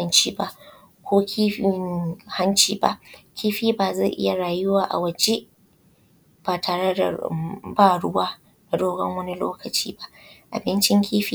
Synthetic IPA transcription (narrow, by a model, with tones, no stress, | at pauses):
ɐ˦nt͡ʃiː˦ba˦ʔ | kʷʰoː˦kʲʰi˦ɪ˦ha˦nt͡ʃiː˦ba̰˦ʔkʲiː˦ɸiː˦baː˨ze˦˨ʔɪ̰˦ja˨ɾaː˨jʊ˦waː˨ʔa̰˨wɐ˨d͡ʒe˦ʔ | b̥aː˨tʰaː˨ɽe˦da̰˨baː˦ɽʊ˦waː˦ | na˨doː˦ɡɐ˦ŋwɐ˦ni˦lo̰ː˦kʰɐ˨t͡ʃḭː˦ba˦ʔʔa̰˨bɪ˦nt͡ʃɪ˦ŋkʲʰiː˦ɸiː˦